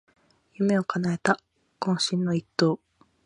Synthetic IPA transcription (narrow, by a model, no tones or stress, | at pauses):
jɯ̟me̞o̞kanae̞t̪a | kõɰ̃ɕĩnːo̞it̪ːo̞ː